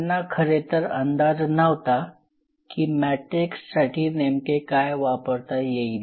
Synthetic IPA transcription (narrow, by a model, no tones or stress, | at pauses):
nːakʰəɾet̪əɾə̰nd̪ad͡znəʋt̪a | kiːmæʈɾiksːaʈʰiːnemkekajʋapəɾt̪ajei